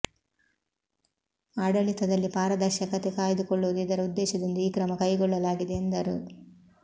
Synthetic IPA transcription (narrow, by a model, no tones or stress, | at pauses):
aːɽɐlit̪ɐd̪ɐlːipaːɾɐd̪ɐɾʃɐkɐt̪ekaːjɐd̪ukɔɭːuːd̪iːd̪ɐɾɐud̪ːɛːʃɐd̪ond̪uiːkɾɐmɐkɐjɡɔɭːɐlaːɡid̪eːnd̪ɐɾṵ